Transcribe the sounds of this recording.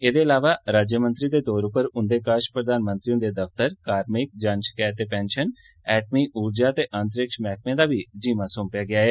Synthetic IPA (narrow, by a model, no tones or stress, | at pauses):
eːd̪eːəlaːʋaːɾaːd͡ʒjəmə̃nt̪ɾid̪eːd̪oːɾʊpəɾʊnd̪eːkaːʃpɾəd̪aːnmə̃nt̪ɾijõd̪eːd̪əft̪əɾkaːɾmɪk̚d͡ʒaːnʃɪ̥kaːt̪eːpɛ̃ːnʃən | ɛːʈ̚miːʔuːɾd͡ʒaːt̪eːʔant̪̬əɾɪkʃmɛːk̚ʰmẽːd̪aːbiːd͡ʒiːmãːsʊmpjaːɡɪaːɦɛː